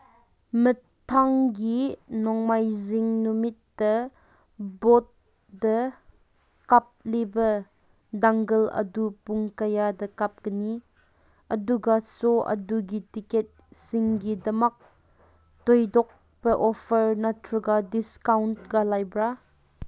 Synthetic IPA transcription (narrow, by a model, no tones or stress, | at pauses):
mə | tʰaŋɡinɔŋmajziŋnumit̪̚dɐ | bɔt̪̚ | dɐ | kap̚libɐ | daŋɡɐlɐ̰dupuŋkɐjadɐkap̚kɐni | ɐduɡasoʔɐ̰duɡitiket̚siŋɡidɐmɐk̚ | tojdɔk̚ | pɐʔɔpʰɐɾnɐtʰɾuɡadiskawnt̚ɡalajbɾa